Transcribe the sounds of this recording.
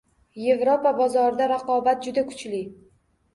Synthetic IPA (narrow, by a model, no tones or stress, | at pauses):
je̞vɾo̞pabɒzɒɾɪd̪aɾaqɒbat̪̚d͡ʒʊd̪akʰʊ̥t͡ʃlɪ